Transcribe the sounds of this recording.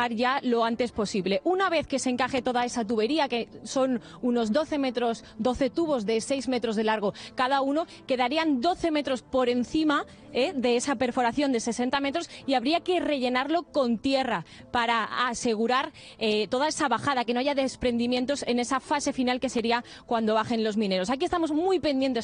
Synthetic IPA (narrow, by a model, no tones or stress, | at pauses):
aɾʝalo̞ant̪e̞spo̞siβle̞ʔunaβ̞e̞θke̞se̞ŋkaxe̞t̪o̞ðae̞sat̪̬uβe̞ɾiake̞so̞n | uno̞zd̪o̞θe̞met̪ɾos | d̪o̞θe̞t̪uβ̞o̞zðe̞se̞jzme̞t̪ɾo̞zðe̞laɾɣ̞o̞kaðauno̞ | ke̞ðaɾiand̪o̞θe̞me̞t̪ɾo̞spo̞ɾe̞n̟θima | eðe̞esape̞ɾfo̞ɾaθjo̞nd̪e̞se̞se̞nt̪ame̞t̪ɾo̞siaβɾiake̞re̞ʝe̞naɾlo̞ko̞nt̪je̞ra | paɾaːse̞ɣ̞uɾaɾ | et̪o̞ð̞aesaβaxaðake̞no̞aʝaðe̞spɾe̞nd̪imjent̪o̞se̞ne̞safase̞finalke̞seɾia | kwand̪oβaxe̞nlo̞zmĩne̞ɾo̞sakie̞st̪amo̞zmujpe̞nd̪je̞nt̪e